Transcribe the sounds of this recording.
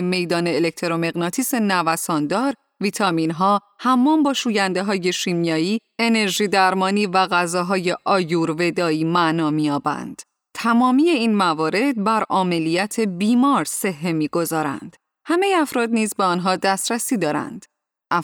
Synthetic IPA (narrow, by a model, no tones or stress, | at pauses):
me̞jd̪ɒːneːlekt̪ʰe̞ɾo̞me̞ɣnɒt̪ʰiːsenævæsɒːnd̪ɒːɾ | viːt̪ʰɒminɦɒː | hæmːɒːmbɒːʃuːjænd̪eɦɒːje̞ʃiːmjɒːiːe̞ne̞ɾʒiːd̪æɾmɒːniːvæɣæzɒːɦɒːje̞ʔɒːjuːɾve̞d̪ɒːiːmæʔnɒːmijɒːbæ̰nd̪̥ | t̪ʰæmɒːmije̞iːnmævɒːɾe̞d̪̚bæɾʔɒːme̞lijæt̪ʰe̞biːmɒːɾse̞ɦːemiːɡo̞zɒːɾæ̰nd̪̥ | hæme̞jeæfɾɒːd̪niːzbeɒnɦɒːd̪æst̪ɾæsiːd̪ɒːɾæ̰nd̪̥ | ʔæ